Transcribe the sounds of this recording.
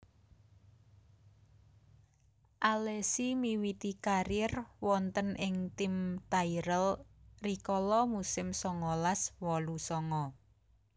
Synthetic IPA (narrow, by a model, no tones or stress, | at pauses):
ʔalɛsimiwit̪ikaɾɪrwɔnt̪ənʔɪŋt̪ɪmt̪aiɾəlrikɔlɔmusɪmsɔŋɔlaswɔlusɔŋɔ